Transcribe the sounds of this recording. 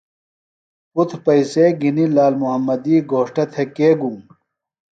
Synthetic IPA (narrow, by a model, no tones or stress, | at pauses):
ut̪ʰpɐiseɡinilaːlmuɦɐmːɐd̪iːɡoːʂʈɐt̪ʰekeːɡũm